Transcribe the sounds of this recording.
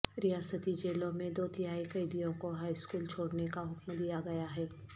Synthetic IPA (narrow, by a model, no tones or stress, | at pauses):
ɾɪjaːsət̪id͡ʒeːlõmẽd̪oːt̪ɪɦaːikɐɪd̪ijõkoɦaːiskuːlt͡ʃʰoːɽnekaɦʊkmd̪ijaɡɐjaɦɛː